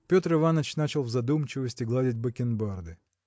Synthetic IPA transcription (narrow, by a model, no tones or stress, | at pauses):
pʲot̪rɨvanət͡ɕnat͡ɕɪlˠvzɐd̪umt͡ɕɪvəsʲtʲɪɡlˠadʲɪtʲbəkʲɪnbard̪ɨ